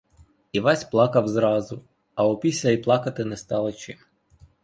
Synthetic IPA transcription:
iʋɑsʲplˠɑkɐwzɾɑzʊ | ɐɔpʲisʲlʲɐiplˠɑkɐt̪ɪnɛst̪ɑlˠɪt͡ʃɪm

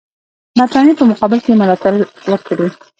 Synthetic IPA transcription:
nɑt̪ɾɑnipəmʊqɑbɪlkeməlɑt̪aɾwəɾkɽi

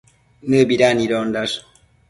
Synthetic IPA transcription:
nəbiɾaniɾɔndas

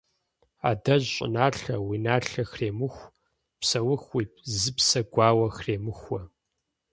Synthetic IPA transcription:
a̰ːdɐʑɕʼɪ̰naːɬɐwiːnaːɬɐxreːmɨxʷ | psɐwʊxwiːp̚zɨpsɐɡʷaːwɐxreːmɨxʷwɐ

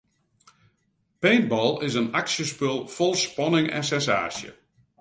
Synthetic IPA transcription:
peːn̚bɔlˠɪsənaksjəspølˠfolˠspɔnɪŋɛ̰nsɛnsa̰ːsjə̰

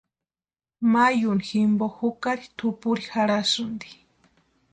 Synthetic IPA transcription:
majʊniximbohʊkaɾit̪ʰʊpʊɾixaɾasʊnd̪i̥

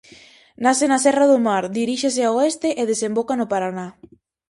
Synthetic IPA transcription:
nasenasɛraðʊmaɾd̪iɾiʃeseaoest̪eʔeðesembokanʊpaɾana

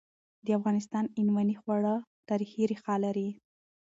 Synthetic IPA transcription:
d̪əafɣɑnɪs̬t̪ɑnɪnwanixwaɽət̪ɑɾixiɾixɑlaɾi

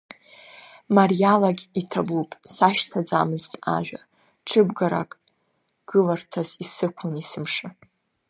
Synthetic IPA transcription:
marjalaɡʲitʰabupʼsaʃtʰad͡zamɨztʼa̰ʒᶣa | ʈ͡ʂʰɨbɡaɾa̰kʼ | ɡ̥ɨlartʰazisɨkʷʰʊnisɨmʂɨ

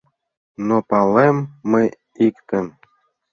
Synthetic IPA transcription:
nopɑlemːə | ikt̪ə̆m

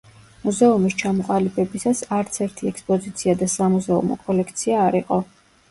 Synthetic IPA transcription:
muzɛumist͡ʃʰamɔqʼalibɛbisasaɾt̪sʰɛɾt̪ʰiɛkspʼɔzit̪sʰiad̪asamuzɛṵmɔ̰kʼɔlɛkʰt̪sʰiaːɾiqʼɔ

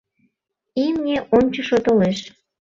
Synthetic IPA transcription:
imnʲeʔomt͡ɕəʃot̪oleʃ

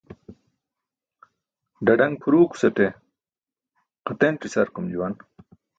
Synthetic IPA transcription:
ɖɐɖɐŋɡ̚pʰuɾuːku̥sɐt̪e | qɐt̪enʈisɐɾkumd͡ʑuwɐn

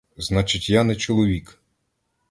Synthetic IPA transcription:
znɑt͡ʃɪtʲjanɛt͡ʃɔlˠɔʋʲik

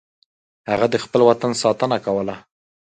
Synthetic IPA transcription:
haɣad̪əxpəlwat̪ansɑt̪ənakawəla

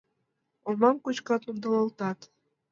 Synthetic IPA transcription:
omɑmkut͡ɕkɑt̪und̪ɑlɑlt̪ɑt̪

